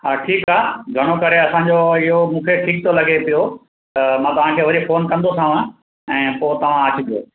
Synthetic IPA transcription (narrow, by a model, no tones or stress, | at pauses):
haːʈʰiːkaːɡʱɐɽ̃okɐɾeɐsãɲd͡ʑoɪɦomũːkʰeʈʰiːk̚t̪olɐɡepijo | t̪ɐmãːt̪ɐʋ̤ãkʰeːʋɐɾifoːnkɐ̃nd̪osʰãʋã | ɛ̃ːpoːt̪ɐʋ̤ãaːt͡ɕʰɪb̪ʱijo̰ː